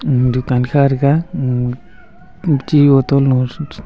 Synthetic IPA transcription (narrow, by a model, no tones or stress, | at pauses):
d̪ukanxaɾɡa | t͡ʃiot̪olno